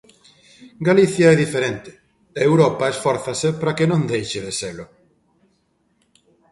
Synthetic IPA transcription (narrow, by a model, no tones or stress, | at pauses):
ɡaliθjaɛðifeɾent̪ɪ̥ | ewɾɔpaesfɔɾθasepɾakenõnd̪ejʃɪðeselʊ